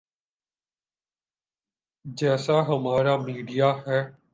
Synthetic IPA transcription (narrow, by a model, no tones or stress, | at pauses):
d͡ʒɛːsaɦəmaːɾaːmiːɖijaːɦɛː